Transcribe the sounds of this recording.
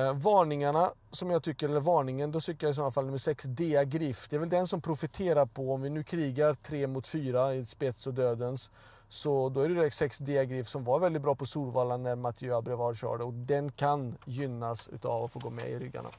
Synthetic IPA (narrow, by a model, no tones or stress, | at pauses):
vɑːɳɪŋaɳasɔmjɑːt̪ʰʏkːəɾɛlːəɾvɑːɳɪŋənd̪ɔsʏkːəjaɪsɔnːafalnɵmːəʂɛksd̪eːaɡɾɪfd̪̥ɛːɾvɛld̪ɛnsɔmpʰɾʊfɪt̪ʰeːɾaɾpʰɔɔmvɪnʉ̟ːkʰɾiːɡaɾt̪ʰɾeːmʊt̪fyːɾaɪspɛt̪sɔd̪øːd̪əns | sɔd̪ɔæɾɛɛsɛksd̪eːaɡɾɪfsɔmvaɾvɛld̪ɪt̪̚bɾɑːpʰɔsuːɾvɑːlanːæɾmat̪ʰjøːabɾɛvɑːlɕœ̰ːɖəɔk̚d̪ɛnkʰanjʏnːasʉ̰ːt̪avɔfoːɡo̰ːmɛ̰ɪ̰ɾʏɡːa̰ɳa̰